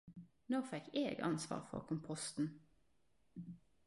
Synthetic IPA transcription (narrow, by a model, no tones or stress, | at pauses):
noːfɛkʰeːɡɑ̰nsʋɑ̰ːʁfɔ̰ʁkʰʊmpʰɔst̪n̩